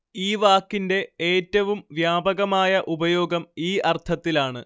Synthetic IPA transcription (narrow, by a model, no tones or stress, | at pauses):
iːʋaːkːinde̞eːtːɐʋumʋjaːbɐɣɐmaːjɐʔubɐjo̞ːɡɐmiːɐrt̪ʰɐt̪ːilaːɳɨ